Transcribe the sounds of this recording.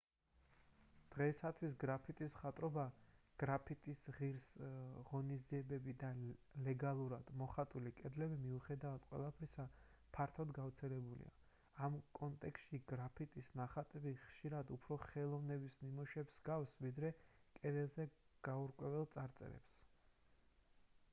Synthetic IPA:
d̪̥ʁɛsat̪ʰwis̬ɡɾapʰit̪ʼisχat̪ʼɾɔbaɡ̥ɾapʰit̪ʼisʁiɾsʁɔniziɛbɛbid̪alɛɡalˠuɾad̪̥mɔχat̪ʼulikʼɛd̪lɛbimiuχɛd̪avad̪̥qʼwɛ̰lˠapʰɾisa | pʰaɾt̪ʰɔd̪ɡaft̪sʰɛlɛbulḭa̰ː | mkʼɔnt̪ʼɛkst̪ʃiɡɾapʰit̪ʼisnaχat̪ʼɛbiχʃiɾad̪upʰɾɔχɛlˠɔvnɛbisnimɔʃɛbsɡafsvid̪ɾɛkʼɛd̪ɛlˠzɛɡ̥auɾkʼwɛvɛlˠt̪sʼaɾt̪sʼɛ̰ɾɛ̰ps

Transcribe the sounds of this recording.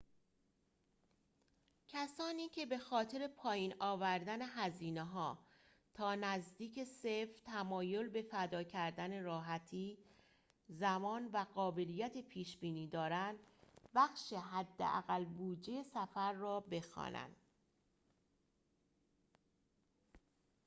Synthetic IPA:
cʰæsɒːniːcʰe̞be̞xɒːt̪ʰe̞ɾe̞pʰɒːjiːnɒːvæɾd̪æne̞ɦæziːneɦɒː | t̪ʰɒːnæzd̪iːcʰe̞seft̪ʰæmɒːjo̞lbe̞fæd̪ɒːcʰæɾd̪æne̞ɾɒːɦæt̪ʰiː | zæmɒːnvæɣɒːbe̞lijæt̪ʰe̞pʰiːʃbiːniːd̪ɒːɾænd̪bæxʃe̞ɦæd̪ːḛʔæ̰ɣælbuːd͡ʒejesæfæɾːɒːbe̞xɒ̰ːnæ̰nd̪̥

